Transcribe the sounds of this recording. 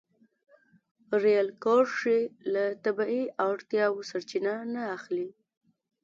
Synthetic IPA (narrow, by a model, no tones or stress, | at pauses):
ɾejalkɑɾʂelat̪abaiʔaɽt̪jɑwosaɾt͡ʃinanaːxli